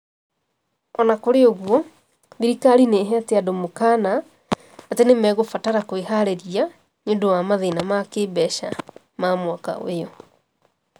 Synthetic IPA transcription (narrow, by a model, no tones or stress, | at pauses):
ɔnakoɾeoɣwɔ | ðiɾikaɾineːɦɛateadomokaːnaː | tenemɛɣofataɾakoehaɾeɾia | ɲondowamaðenamakeːbɛɕa | mamwaka̰o̰ejɔ